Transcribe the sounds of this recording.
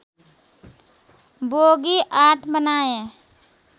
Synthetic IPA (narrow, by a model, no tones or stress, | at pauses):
boːɡiʔaːʈʰbənaːẽ